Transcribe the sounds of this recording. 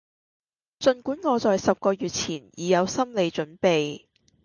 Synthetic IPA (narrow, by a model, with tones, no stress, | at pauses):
t͡sɵ˨˧nkuː˨˥nŋɔː˨˧t͡sɔː˨jsɐ˨p̚kɔː˧jyː˨t̚t͡sʰiː˨˩njiː˨˧jɐ˨˧wsɐ˥mle˨˧jt͡ʃɵ˨˥npe˨j